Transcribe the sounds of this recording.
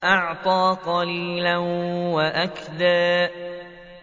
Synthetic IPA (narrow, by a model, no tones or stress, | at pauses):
ʔɑʕt̪ˤɑːqɑliːlawaʔakd̪aːʔ